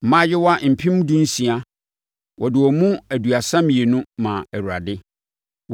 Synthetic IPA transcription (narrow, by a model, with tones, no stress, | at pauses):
m̩˨mã˦jɪ˦wɔ˦a˦m̩˨pʰĩ˦mũ˦dũ˦n̩˦sĩ˨a˦ | wʔɔ˨dɪ˨wɔ˨mũ˦æ˨du˨a˨sã˦mĩ˨e˨nʊ̃˦mã˨æ˨wu˨ɾa̰˨dɪ˦